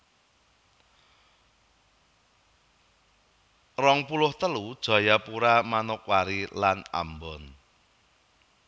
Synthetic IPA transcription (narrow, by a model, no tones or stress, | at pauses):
rɔŋpulʊht̪əlud̥ʒ̥a̤japuɾamanʊk̚waɾilana̰mbɔn